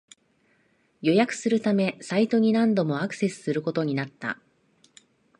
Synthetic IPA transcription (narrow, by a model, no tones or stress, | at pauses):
jo̞jakɯ̟̥sɨɾɯ̟t̪ame̞sait̪o̞ɲ̟inãnd̪o̞mo̞akɯ̟̥se̞sɨ̥sɨɾɯ̟ko̞t̪o̞ɲ̟inat̪ːa̰